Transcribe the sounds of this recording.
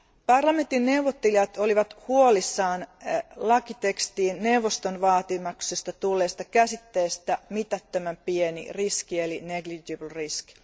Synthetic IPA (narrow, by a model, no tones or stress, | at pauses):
pɑrlɑme̞nt̪inːe̞uʋot̪ːeliɑt̪oliʋɑt̪huolisːɑːnlɑkit̪ekst̪iːnne̞uʋost̪onʋɑːt̪imɑksest̪ɑt̪ulːeːst̪ɑkæsit̪ːe̞ːst̪æmit̪æt̪ːømæmpienḭriskielineɡlid͡ʒiblrisk